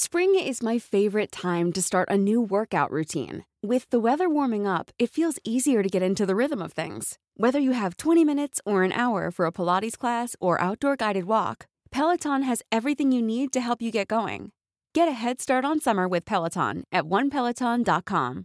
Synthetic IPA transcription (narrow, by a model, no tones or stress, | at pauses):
spɹɪ̃ŋɪzmaɪfeɪvə˞ɨtʰãɪ̃mtɨstɑɹɾʔɨnʉwɜ˞kaʊʔɹʉtʰḭ̃n | wɪðəwɛðə˞wɔɹmɪ̃ŋʌpɨtfilˠziziə˞ɾɨɡɛɾɪ̃ntʉðəɹɪðə̃mʌv̥θɪ̰̃ŋz̥ | wɛðə˞jɨɨv̥tʰw̥ɛ̃ɾ̃imɪ̃ñɨtsə˞ɨ̃nʔa̰ʊə̰˞fə˞əpʰəlɑɾiz̥kʰl̥æsə˞ʔa̰ʊt̚d̥ɔɹɡaɪɾɨd̚wɔ̰k | pʰɛlˠətʰɑ̃nɨzɛvɹiθɪ̃ŋjɨnid̚tɨɦɛlˠpjɨɡɛt̚ɡ̥oʊɪ̰̃ŋ | ɡ̥ɛɾɨɦɛd̥stɑɹɾn̩sʌmə˞wɨð̥pʰɛlˠətʰɑ̰̃nʔɨt̚wʌ̃npʰɛlˠətʰɑ̃ndɑt̚kʰɑ̰̃m